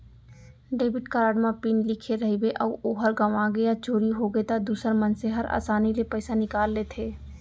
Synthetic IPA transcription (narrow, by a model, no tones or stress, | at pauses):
ɖeːbɪʈkaɾaːɖmãpiːnlɪkʰeɾɐɦibeʔəːoːɦəɾɡɐʋaɡɐjat͡ʃoːɾiɦoɡəet̪ad̪uːsəɾmɐnseɦɐɾa̰ːsaːnilepəːsanɪkaːlːet̪ʰeː